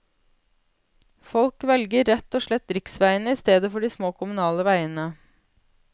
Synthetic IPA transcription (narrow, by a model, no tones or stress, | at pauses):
fɔlkʋɛlɡəɾɛt̪oːʃɭɛt̪ɾɪksʋæɪənəiːst̪eːd̪əfɔɖiːsmoːkʰʊmʉnɑːləʋæɪənə